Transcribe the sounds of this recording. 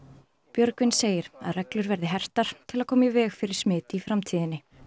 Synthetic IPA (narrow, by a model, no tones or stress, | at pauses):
pjœɾkvɪnseːjɪɾa̰ðrɛklʏɾvɛɾðɪɦɛr̥t̪aɾ̥t̪ʰɪlaðkʰɔːmɪvɛːxfɪɾɪɾ̥smɪːt̪ɪifɾamt̪ʰiːðɪnːɪ